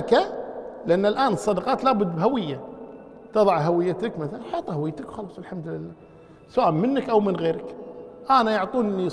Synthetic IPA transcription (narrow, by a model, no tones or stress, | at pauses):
kalɪʔanːalʔaːnɨsˤːɑd̪ɑqɑːt̪laːbʊd̪ːbɦawɪjːa | t̪ɨðˤɑʕɦawɪjːat̪akmaθalaħɑːt̪ˤhawɪjːt̪ɪkxɑlɑːsˤɪlħamd̪lɪlːaː | sʊwaːmɪnːakʔawmɪnɣeːɾɪkʔanajʊʕt̪ˤuːnʔɪnːi